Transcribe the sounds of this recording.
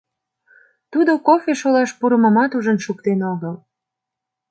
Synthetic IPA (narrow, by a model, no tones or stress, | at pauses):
t̪ud̪okofeʃolɑʃpuɾəməmɑt̪uʒənʃuk̚t̪enoɣəl